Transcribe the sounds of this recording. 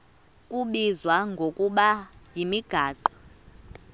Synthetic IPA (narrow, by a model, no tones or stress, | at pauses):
kʼuɓizwaŋɡʱokʼuɓajimiɡ̥ʱaːǃɔ̥